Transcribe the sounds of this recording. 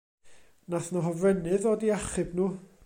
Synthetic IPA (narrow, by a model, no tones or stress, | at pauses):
naθnɔɦɔvrɛnɨðɔːdiaχɨbnuː